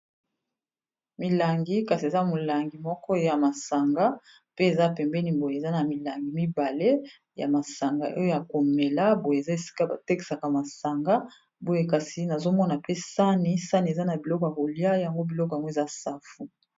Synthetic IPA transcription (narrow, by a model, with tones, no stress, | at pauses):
mi˨la˨ŋɡi˦ka˨si˨e˨za˦mo˨la˨ŋɡi˨mɔ˦kɔ˦ja˨ma˨sa˨ŋɡa˦ | pe˦e˨za˦pɛ˨mbɛ˦ni˨bo˨je˨e˨za˦na˨mi˨la˨ŋɡi˨mi˦ba˨le˦ | ja̰˨ma˨sa˨ŋɡa˨ʔo̰˦jo˦ja˨ko˨me˨la˦bo˨je˨e˨za˦e˨si̥˦ka˦ba˨te˦ki̥˨sa˨ka˨ma˨sa˨ŋɡa˦ | bo˦je˦ka˨si˨˦na˨zo˦mɔ˦na˨pe˦sa˦ni˦sa˦ni˨e˨za˦na˨bi˨lɔ˦kɔ˨ja˨bo˨lja˦ja˨ŋɡo˦bi˨lɔ˦k̬ɔ˨ja˨ŋɡo˦e˨za˦sa˦fu˨